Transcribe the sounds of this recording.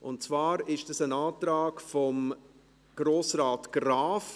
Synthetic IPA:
ʔʊ̰ntt͡svaːɾɪʃd̥ɑsənaːtɾaːkfɔm | ɡ̥ɾoːsraːtɡ̥raːf

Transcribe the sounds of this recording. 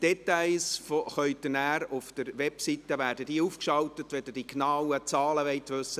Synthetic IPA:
d̥ɛt̪aɪlsfɔχœʏtdənæːɾʊfd̥əɾʋɛpsit̪əʋæːɾdəd̥iːufkʃɑltətʋɛdəd̥iknɑwət͡sɑːləʋɛɪt̪ʋɵsə

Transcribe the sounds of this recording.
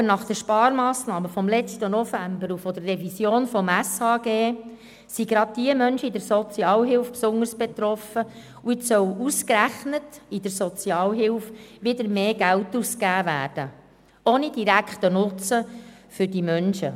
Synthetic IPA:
ənɑχd̥əɾʃpɑːɾmɑːsnɑːməfɔmlɛt͡stənɔfæmbəɾufodərːɛvisjoːnfɔmæshɑːɡeː | siɡɾɑd̪̚d̥iəmœnʃəidəɾsɔt͡siɑːlɦɪlfpsʊnəɾsb̥et̪ɾɔfə | uɪtsœwuskræχnətid̥əɾsɔt͡sjɑːlɦɪlʊfʋɪd̪əɾmeːɡ̥æltuskæːvæːɾd̥ə | oːnid̥iɾækχtənʊt͡sə | fʏɾdimœnʃə

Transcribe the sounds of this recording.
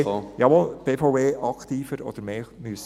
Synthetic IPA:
jɑʋɔlb̥eːfoeːʔɑkt̪iːfəɾɔ̰d̪̥əɾmeːmys

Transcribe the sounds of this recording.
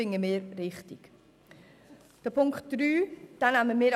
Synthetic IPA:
ɪŋəmeːɾrɪχtɪk | d̥əpʰʊŋktd̥ɾyːd̥anaməmeːɾ

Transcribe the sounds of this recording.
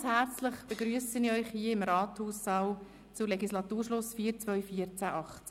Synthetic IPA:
shɛrt͡sləχb̥əɡɾyːəsəniɔʏχhiːɪmɾɑːt̪huːsːɑw | t͡sʊleɡislɑt̪uːrʃlʊsfiːəɾt͡svœʏfiəɾt͡sæʔɑχ

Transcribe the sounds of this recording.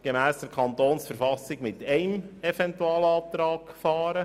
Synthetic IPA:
ɡ̥emæːsd̥əɾkʰɑnt̪oːnsfəɾfɑsːɪɡmɪt̪ɛɪmɛvɛntuɑːləɑːp̚t̪ɾɑːkfɑːɾə

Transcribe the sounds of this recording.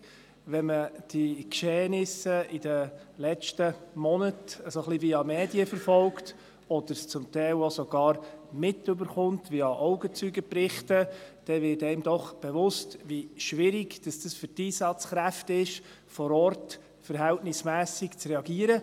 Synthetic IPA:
ʋɛməd̥ikʃeːnɪsəid̥əlɛt͡ʃtəmɔnətəsoχliviɑmɛːdiəfəɾfɔlkt | ɔd̥̪əɾst͡sʊmt̪ɛɪlosɔɡ̥ɑːɾmɪtːɵbəɾχʊntʋiɑʔɔʊɡət͡syɡəpɾɪχtəd̥ɛvɪːtɛɪmdɔχb̥ɛvʊstʋiʃʋɪɾɪɡd̥ɑsd̥əsfʏɾtiːsɑt͡sχɾæftɪʃ | fɔɾɔrt | fəɾɦæltnɪsmæːsɪkt͡sɾɛɑɡiːəɾə

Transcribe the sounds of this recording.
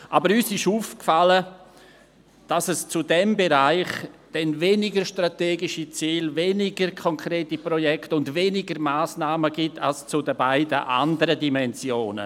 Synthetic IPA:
ʔabəɾyːsɪʃuːfkfalə | d̥asɛst͡sʊdɛmbeɾaɪχd̥ɛnveːnɪɡəʃtrateːɡɪʃit͡siːlveːnɪɡəɾkʰɔŋkʰɾeːtiprɔjɛktʊndveːnɪɡəɾmaːsnaːməɡɪtʰa̰lst͡sʊdəbaɪdəʔa̰ndəɾədimɛnzjoːnə̰

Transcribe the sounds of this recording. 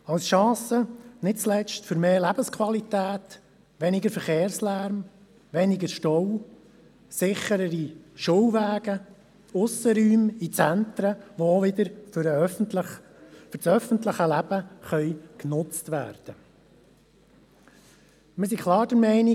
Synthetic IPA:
ɑwsʃɑ̃ːsənɪt̚t͡slɛt͡ʃtfʏɾmeːlæb̥əskʰwɑlit̪æːt̪ | ʋɛnɪɡəɾfəɾχeːɾslæɾm | ʋɛnɪɡəʃtɔw | sɪχəɾəɾiʃuwʋæːɡə | ʊsəɾyːmit͡sænt̪ɾəʋooʋɪd̪əɾɾ | fʏɾsœfənt̪ləχəlæb̥əχœʏknʊt͡stʋæ̰ːɾd̥ə | məs̬ikʰlˠɑːɾd̥əɾmɛɪnɪ

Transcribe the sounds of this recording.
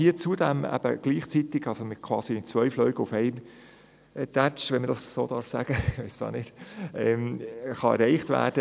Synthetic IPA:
hiət͡sudæmæ̰b̥ə̰ɡ̥liːχt͡sit̪ɪɡ̥ɑlsomɪtkʰwɑ̰ːsit͡sʋœʏflœɥɡəufɛɪm | tæt͡ʃʋɛnmədɑssoːd̥ɑːɾfsæɡ̥əʋɛɪssɑ̰ːnɪd̥ɛmχɑɛ̰ɾɛɪχtvæ̰ːd̥ə

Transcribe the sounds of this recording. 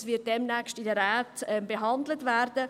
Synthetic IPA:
sʋɪːt̚dɛmnɛkstidəɾɛːtɛmbeɦɑndlətʋæɾd̥ə

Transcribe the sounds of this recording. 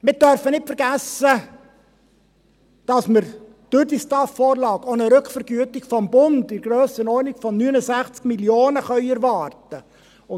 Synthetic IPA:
mɪd̥œɾfənɪtfɛɾɡæsə | d̥ɑsməɾ | d̥ʊɾdistɑfːɔːɾlɑːɡonəɾɵkʰfəɾɡyətɪkfɔmbʊndɪɾɡ̥ɾøːsənɔnɪkfɔnːynəsæχt͡skmiljoːnəχœʏɛɾvɑːrtə | ʊ

